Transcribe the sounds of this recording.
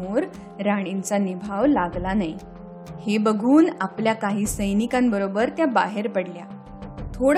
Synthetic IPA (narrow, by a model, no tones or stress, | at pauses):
oɾ | ɾaɽ̃int͡sanibʱaʋlaɡlanaj | hebəɡʱuːnapljakaɦiːsəjnikambəɾobəɾt̪jaba̰ɦeɾpəɽlja | t̪ʰoɽ